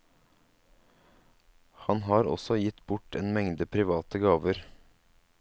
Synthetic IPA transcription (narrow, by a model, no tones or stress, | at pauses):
hɑnɦɑːɾɔ̰sɔjɪt̪bʊʈeːnmɛŋd̪əpʰɾɪʋɑːt̪əɡɑːʋəɾ